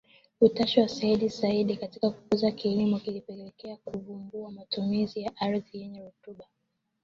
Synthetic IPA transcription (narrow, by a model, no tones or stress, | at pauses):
utaʃiwasaiɗizaiɗikatikaku̥kuzakilimukilipɛlɛlɛkɛakuvumbuamatumizijaʔaɾðijɛɲɛɾutuɓa